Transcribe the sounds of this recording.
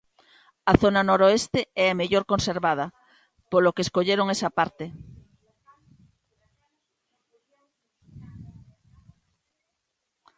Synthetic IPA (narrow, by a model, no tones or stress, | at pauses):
ɐθonanoɾoest̪eɛameʎoɾkonseɾβaðɐ | polokeːskoʎeɾoŋesɐpaɾt̪e